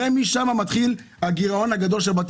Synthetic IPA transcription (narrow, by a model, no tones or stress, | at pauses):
emiʃamamat̪χilhaɡiʁao̞nhaɡad̪o̞lʃelbat̪